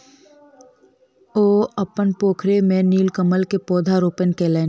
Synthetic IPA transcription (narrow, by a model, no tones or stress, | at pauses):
oːəpənpoːkʰɾemẽniːlkəməlkepɔːd̪ʱaɾoːpənkeːleːn